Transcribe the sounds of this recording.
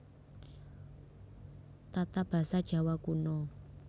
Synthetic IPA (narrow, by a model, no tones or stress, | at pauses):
t̪at̪ab̥a̤sad̥ʒ̥a̤wakunɔ